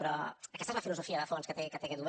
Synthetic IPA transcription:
pɾɔəkɛst̪ɛzləfiluzufiəðəfonskət̪ekət̪ekeðuβ

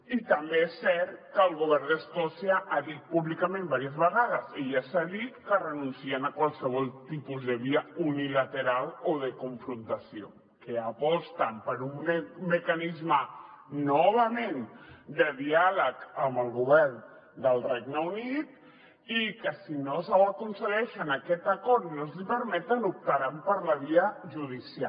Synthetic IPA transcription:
it̪əmbeɛsːɛɾt̪kəːlˠɣ̞uβ̞ɛrnd̪əskɔsiəʔaðit̪̚puβlikəmẽmbaɾiəzβəɣaðəzeʎasaðit̪kərənunsiənəkwalˠsəβ̞ɔlˠt̪ipuzðəβ̞iəunilət̪əɾalˠoðəkuɱfɾunt̪əsio̰ | kəapɔst̪əmpəɾumːəkanizmənɔβəmend̪əðialəkəmbəlˠɣuβɛɾn | d̪əlˠrɛɡnəunit̪̚ | ikəsinosəwəkunsəɣɛʃənakɛt̪əkɔɾt̪nozlipəɾmɛt̪ənup̚t̪əɾampəɾləβiəʒuð̞isia

